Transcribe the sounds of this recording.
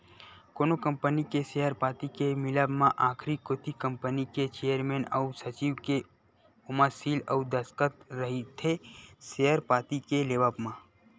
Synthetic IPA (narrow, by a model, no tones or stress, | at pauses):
koːnokə̃mpənikesejəɾpaːt̪ikemɪləbmãʔaːkʰɾikoːt̪ikə̃mpəniket͡ʃejəɾmeːnə̰ʊsət͡ʃiːʋke | ʊməsilə̰ʊd̪əskət̪ɾəɦit̪ʰesejəɾpaːt̪ikeleːʋəbmã